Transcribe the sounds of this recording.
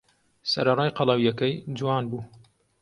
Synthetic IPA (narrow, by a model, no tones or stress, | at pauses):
sɐ̰ɾɐrɑːjqɑlˠɑwjɛkɛjd͡ʒuwɑːnbuː